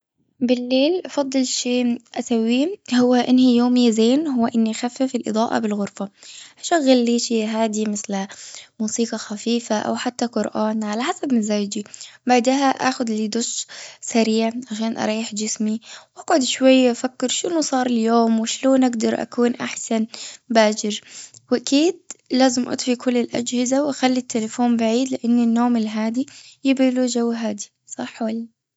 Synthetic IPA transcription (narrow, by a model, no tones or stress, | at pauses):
bɪlːeːlʔɑfɑd̪ˤːɨlʃeːʔasawːiːhʊwːaʔɪnːhijoːmɪzeːnɦʊwːaʔɪnːixafːɪfɪlʔɨd̪ˤɑːʔɑ̰bɪlɣʊɾfaʔaʃaɣːalːiːʃiɦaːd̪imɪθlmuːsiːqɑxafiːfaʔa̰wħat̪ːaqʊɾʔaːnʕalaħasabmazaːwd͡ʒibaʕd̪aɦaʔa̰ːxʊd̪lid̪ʊʃsaɾiːʕʕaʃaːnʔɑ̰ɾˤɑːɪħd͡ʒɪsmiwʔaɡʕʊd̪ʃwajːaʔafakːɪɾʃɪnusˤɑːɾˤɪljoːmwɪʃloːnʔaɡd̪ɑɾˤʔa̰kuːnʔa̰ħsanbaːd͡ʒɪɾwʔakiːd̪̚laːzɪmʔɑ̰t̪ˤfikʰʊlːɪlʔa̰d͡ʒhɪzawʔaxalːit̪ʰːelɪfoːmbaʕiːd̪lɪʔanːinːoːmɪlɦaːd̪ijɪbɪlud͡ʒawːɦaːd̪i | sˤɑħwalːi